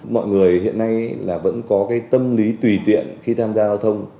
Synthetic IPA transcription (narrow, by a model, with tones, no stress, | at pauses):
mɔ̰˧˨jŋɨ˨˩əjhḭ˧˨ənːa˧jlaː˨˩və̰˧˥nkɔ˨˦kaː˨˦jt̪ə˧mli˨˦t̪wi˨˩t̪wḭ˧˨ənxi˧t̪ʰaː˧mzaː˧zaː˧wt̪ʰə˧wŋ͡m